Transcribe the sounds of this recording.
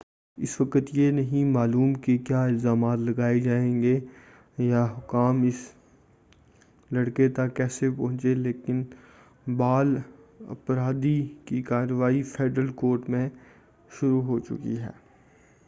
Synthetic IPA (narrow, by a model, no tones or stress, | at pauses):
ɪ̰sʋɐkət̪jenɐɦĩmaːluːmkekjaːɪlzaːmaːt̪lɐɡaːed͡ʒaːẽːŋɡe | jaɦʊkaːmɪs | lɐɽket̪ɐkːɛːsepɐɦʊ̃t͡ʃeleːkɪn | baːlɐ̰pɾaːd̪ikikaːɾəʋaːipʰeːɖɾəlkoːɾʈmẽ | ʃʊɾuɦoːt͡ʃʊ̰kḭɦɛ̰ː